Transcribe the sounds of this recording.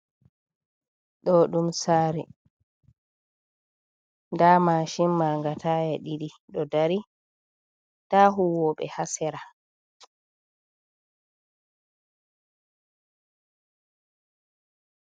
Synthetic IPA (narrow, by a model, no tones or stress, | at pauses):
ɗɔɗumsaːɾi | ndamaːʃimːaŋɡatʰaːjaɗiɗi | ɗɔdaɾi | taɦuwɔɓɛ̰hasɛɾa